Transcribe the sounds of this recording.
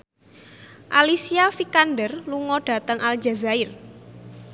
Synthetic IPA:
ʔalisiafikandərluŋɔɖ̥a̤t̪əŋʔald͡ʒa̤zaɪr

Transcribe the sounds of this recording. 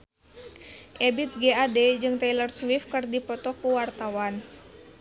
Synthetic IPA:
ʔɛbit̪̚ɡeaded͡ʒɨŋt̪ɛlərswifkɨrdipɔt̪ɔkuwart̪awan

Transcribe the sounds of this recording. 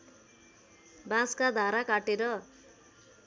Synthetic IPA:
bãskad̪ʱaɾakaʈeɾʌ

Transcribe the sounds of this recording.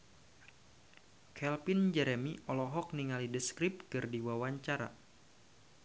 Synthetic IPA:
kʰɛlpind͡ʒɛɾɛmiɔlɔɦɔk̚niŋalidəskɾɪp̚kɨrdiwawaɲt͡ʃaɾa̰

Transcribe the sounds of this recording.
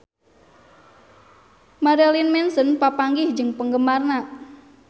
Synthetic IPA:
maɾelinmɛnsənpapaŋɡɪhd͡ʒɨŋpəŋɡəmarna

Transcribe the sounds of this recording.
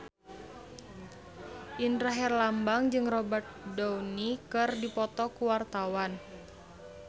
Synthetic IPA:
ʔindɾaɦɛrlambaŋd͡ʒɨŋrɔbat̪̚dɔwnikɨrdipɔt̪ɔkuwart̪awan

